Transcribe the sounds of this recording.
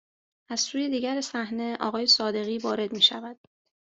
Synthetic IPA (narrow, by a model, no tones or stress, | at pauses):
æz̥suːje̞d̪iːɟæɾesæhne̞ʔɒ̰ːɣɒːje̞sɒːd̪e̞ɣiːvɒːɾe̞d̪miːʃævæd̪̥